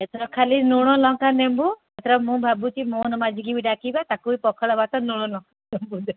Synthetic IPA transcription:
et̪ʰɔɾɔp̚kʰalinuɽ̃ɔlɔŋkanembu | et̪ʰɔɾɔpmũbʱabutimonɔmad͡ʒʱiɡibiɖakibat̪akujpɔkʰɔɭɔbat̪ɔnuɽ̃ɔlɔ̃ŋkanembud̪e

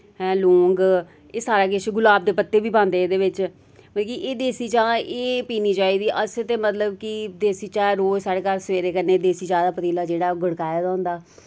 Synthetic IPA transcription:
ɦɛ̃ːlõːŋɡ | eːsaːɾaːkɪt͡ʃɡʊlaːb̚d̪eːpət̪ːeːbiːpãːnd̪eːd̪eːʋɪt͡ʃ | məkiʔeːd̪eːsiːt͡ʃãːeːpiːniːt͡ʃaːiːd̪iːʔəst̪eːmət̪ləbkid̪eːsiːt͡ʃãːɾoːd͡ʒsaːɽeːkaːɾsəʋeːɾeːkənːeːd̪eːsiːt͡ʃãːd̪aːpət̪iːlaːd͡ʒeːɽaːɡʱəɽkaːjaːd̪aːʊnd̪aː

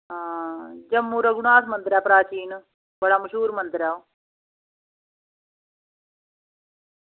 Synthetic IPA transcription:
ad͡ʒɐmːuɾɐɡuɳaːsmɐnt̪ɾjaːpɾaːt͡ʃiːn | bɐɽamɐʃuːɾmɐnt̪ɾjaːw

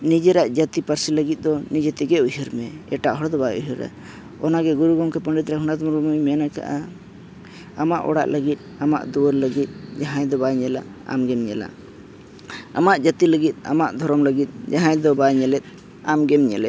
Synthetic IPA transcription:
nid͡ʒɛɾaʔd͡ʒət̪ipəɾsiləɡit̪̚ˀd̪ɔnid͡ʒɛt̪iɡɛuɦəɾmɛɛ̰ʈaʔɦɔɽd̪ɔbajuɦəɾa̰ | ɔnaɡɛɡuɾuɡɔmkɛpəɳɖit̪̚ɾɛɦunad̪muɾumujmɛnaka̰ʔa | amaʔɔ̰ɽa̰ʔləɡit̪̚ama̰ʔd̪uwəɾləɡit̪̚d͡ʒaɦãjd̪ɔbaɲɛla̰ | a̰mɡɛmɲɛla̰ | amaʔd͡ʒət̪iləɡit̪̚ˀa̰maʔd̪ʱɔɾɔmləɡit̪̚ˀd͡ʒaɦãjd̪ɔbaɲɛlɛt̪̚ | amɡɛmɲɛlɛ̰t̪̚

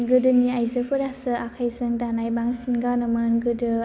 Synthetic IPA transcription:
ɡɯdɯniajzɯpʰɯɾasɯʔakʰajzɯŋdanajbaŋsinɡanɯmanɡɯdɯ

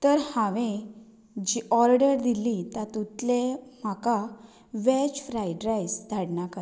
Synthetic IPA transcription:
t̪əɾhãʋẽ | d͡ʑiʔɔɾɽəɾd̪ilit̪at̪ut̪lem̤aka | ʋɛt͡ɕfɾajɖɾajsd̪ʱaɽɳakat̪

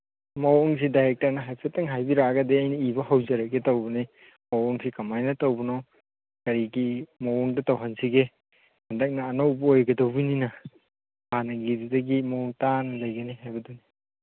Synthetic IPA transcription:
mowŋs̬idajɾek̚tɐɾnɐɦasetɐŋɦajbiɾaɡɐdeɐjniibɐhawzɐɾɐɡetawbɐni | mowɔŋsikɐmajnɐtawbɐno | kɐɾiɡimowuŋdɐtawɦɐnsiɡe | hɐndɐk̚nɐːnowbɐojɡɐdawbininɐ | hanɐɡiɾidɐɡimowŋtanɐlɐjɡɐniɦajbɐdoni

